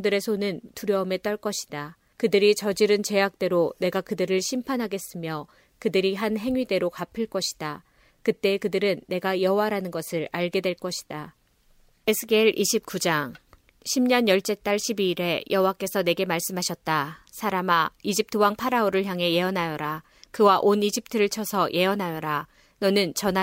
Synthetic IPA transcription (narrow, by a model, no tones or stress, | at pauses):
ŋdɯɾe̞sʰonɯntuɾjʌɯme̞t͈ʌɭk͈ʌɕʰi̥d̥a | kɯdɯɾit͡ɕʌd͡ʑiɾɯnt͡ɕe̞ak̚t͈e̞ɾone̞ɡakɯdɯɾɯɭɕʰimpʰanɦaɡe̞s͈ɯmjʌ | kɯdɯɾiɦanɦe̞ŋɥide̞ɾokapʰɯɭk͈ʌɕʰi̥d̥a | kɯt͈e̞kɯdɯɾɯnːe̞ɡajʌɦowaɾanɯnɡʌsʰɯɾaɭɡe̞dwe̞ɭk͈ʌɕʰi̥d̥a | esʰɯɡeɭʔiɕʰip̚k͈ud͡ʑaŋ | ɕʰimɲʌnjʌɭt͡ɕ͈e̞t͈aɭɕʰibiːɾe̞jʔʌɦowak͈e̞sʰʌne̞ɡe̞maɭs͈ɯmɦaɕʰʌt̚t͈a | sʰaɾamaid͡ʑip̚tʰɯwaŋpʰaɾaoɾɯɭçjaŋɦe̞je̞ʌnɦajʌɾa | kɯwaʔonid͡ʑip̚tʰɯɾɯɭt͡ɕʰʌsʰʌjʔe̞ʌnɦajʌɾa | nʌnɯnt͡ɕʌna